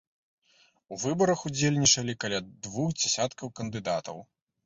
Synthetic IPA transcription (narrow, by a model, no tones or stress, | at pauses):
uvɨbɐɾɐxud͡zʲelʲnʲit͡ʂɐlʲikɐlʲad̪vuxd͡zʲɛsʲat̪kɐwkɐnd̪ɨd̪at̪ɐ̰w